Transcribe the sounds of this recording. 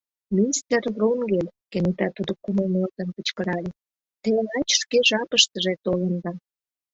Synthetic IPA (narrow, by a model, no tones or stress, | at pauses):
mʲist̪ervruŋɡelʲkenet̪ɑt̪ud̪okuməlnort̪ənkət͡ɕkəɾɑlʲe | t̪enɑt͡ɕʃkeʒɑpəʃt̪əʒet̪olə̆nd̪ɑ